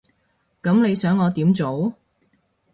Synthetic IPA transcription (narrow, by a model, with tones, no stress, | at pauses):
kɐ˨˥mne˨˧jsœː˨˥ŋːɔː˨˧t̪iː˨˥mt͡so˨˥w